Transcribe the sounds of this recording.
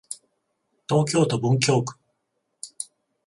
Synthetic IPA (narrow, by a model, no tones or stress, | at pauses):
t̪ɔkjot̪obuŋkʰʲjok